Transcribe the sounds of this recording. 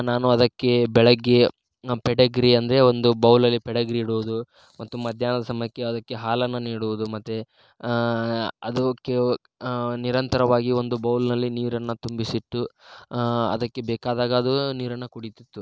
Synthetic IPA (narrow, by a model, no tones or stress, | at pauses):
naːnuɐd̪ɐkːe̞bɛɭɐɡːe̞ | pɛɽɐɡɾiɐnd̪ɐɾeo̞nd̪ubɐwlɐlːipɛɽɐɡɾiːɽuʋud̪u | mɐt̪ːumɐd̪ʱjaːnɐd̪ɐsɐmɐjɐkːeɐd̪ɐkːe̞ɦaːlɐnːɐniːɽuʋud̪umɐt̪ːe | ɐd̪ɐkːe | niɾɐnt̪ɐɾɐʋaːɡio̞nd̪ubɐwlnɐlːiniːɾɐnːɐt̪umbisiʈ̪ːu | ɐ̰d̪ɐkːe̞bɛːkaːd̪aːɡɐɐd̪uniːɾɐnːɐkuɽit̪it̪ːu